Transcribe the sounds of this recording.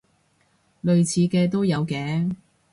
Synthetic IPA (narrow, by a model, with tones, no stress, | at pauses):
lɵ˨ɥt͡sʰiː˨˧kɛː˧t̪̬o˥wjɐ˨˧wkɛː˨˥˦ŋ